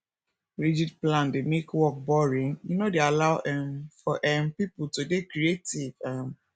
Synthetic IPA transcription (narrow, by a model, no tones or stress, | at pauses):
ɹid͡ʒid̚plãndemekwɔk̚bɔɹĩnjunodealaʊɛmfɔʔɛmpipultodekɾietivam